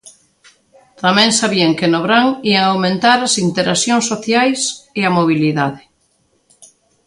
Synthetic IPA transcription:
t̪amɛ̃ŋsaβiaŋkɪnoβɾaŋiaŋawmẽnt̪aɾasint̪eɾʔasjoŋsoθjajseamoβ̞iliðaðɪ

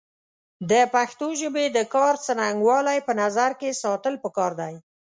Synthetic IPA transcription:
d̪əpaxt̪oʒəbed̪əkɑɾt͡sənaŋɡwɑlajpənazaɾkesɑt̪əlpəkɑɾd̪aj

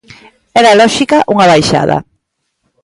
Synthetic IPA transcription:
ɛɾalɔʃikaʔuŋaβajʃa̰ðɐ̰

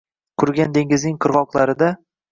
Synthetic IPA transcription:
kʰʊɾɡʲand̪e̞ŋɪznɪŋqʰɨɾʁɒqlˠaɾɪd̪a

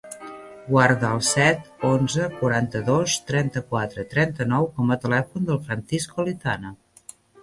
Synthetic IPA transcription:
ɡwaɾðəəlˠsɛt̪onzəkuɾant̪əðost̪ɾɛnt̪əkwat̪ɾət̪ɾɛnt̪ənɔwkɔmət̪əlɛfund̪əlˠfɾənsiskolit̪anə

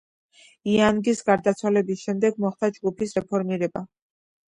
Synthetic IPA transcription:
ianɡisɡaɾd̪at̪sʰwalɛbisʃɛmd̪ɛɡmɔχt̪ad͡ʒɡupʰisɾɛpʰɔɾmiɾɛba

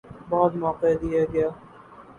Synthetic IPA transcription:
bɔːt̪mɔːqed̪ijaɡɐjaː

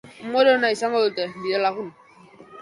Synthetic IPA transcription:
modonaisaŋoltɛbidɛlakun

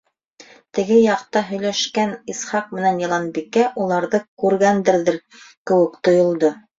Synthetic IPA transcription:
t̪ɘ̆ɡɘjɑqt̪ɑɦɵ̆jlæʃkænisχɑq̚mɘ̆nænjɑlˠɑnbikæʔulˠɑɾðɤkʉɾɡænd̪ɘ̆ɾðɘɾ | kɘ̆wɘ̆kt̪ŏjŏlˠd̪o

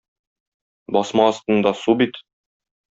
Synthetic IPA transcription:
bɒsmɑːst̪ɤ̆nd̪ɑsubit̪

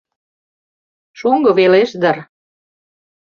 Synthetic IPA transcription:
ʃuŋɡɤ̆βeleʃd̪ə̆r

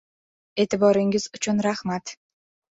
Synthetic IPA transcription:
et̪ɪbɑɾɯŋɡizut͡ɕunɾaχmat̪

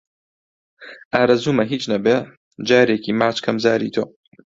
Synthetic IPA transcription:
ʔaːɾɐzuːmɐɦiːt͡ʃnɐbeː | d͡ʒaːɾeːkiːmaːt͡ʃkʰɐmzaːɾḭːt̪ʰoː

